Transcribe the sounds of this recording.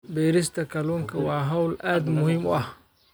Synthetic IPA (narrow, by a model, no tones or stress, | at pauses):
bɛːɾɪst̪ʰɐkʰɐluːŋkʰɐwɑːɦɐwlʔaːd̪mʊhɪmʊ̰ʔɐh